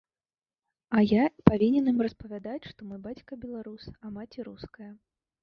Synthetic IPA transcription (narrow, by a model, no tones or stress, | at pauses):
ɐjaipavʲinʲɛnimrɐspɐvʲad̪at͡sʲʂt̪ɔmɔjbat͡sʲkɐbʲɛlˠaɾusɐmat͡sʲiɾuskɐjɐ